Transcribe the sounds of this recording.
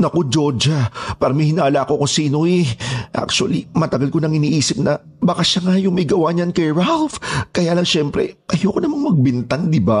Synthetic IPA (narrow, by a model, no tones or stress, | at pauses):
nɐkod͡ʒo̞d͡ʒɐpaːɾɐmɪhɪnaːlako̞kʊŋsiːnoɛʔa̰k̚t͡ʃʊɐlimɐt̪ɐɡalkonɐŋɪniːʔiːsɪp̚nɐ | bɐkaʃaŋajʊŋmɐjɡɐwaɲɐnkɛɹalfkɐjaːlɐŋʃɛmpɾɛ̰ʔɐjokonɐmaŋmɐɡ̚bɪnt̪aŋd̪ɪba